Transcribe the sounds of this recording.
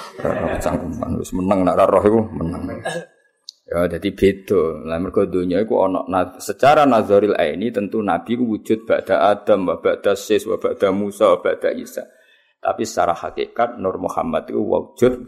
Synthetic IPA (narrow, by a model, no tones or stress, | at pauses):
ra̰ɾɔhkət͡ʃaŋkuma̰nlʊ̰smənəŋnaʔɾaɾɔɦikumənəŋ | jad̪̥ad̪ib̥ed̪̥olamərɡ̥ɔ̤d̪o̤ɲɔikṵɔ̰nɔ̰ʔnasət͡ʃaɾanaðɔɾila̰ḭnit̪ənt̪unab̥ikuwud͡ʒ̥ʊt̪̚b̥aʔd̪̥a̤ʔad̪̥əmwab̥aʔd̪̥a̤sɪswab̥aʔd̪̥a̤musawab̥a̤ʔd̪̥a̤ʔisa̰ | t̪a̰pisə̥t͡ʃa̰ɾaha̰kḛʔkat̪̚nʊrmuha̰mat̪ikṵwa̰u̥d͡ʒ̥ʊt̪̚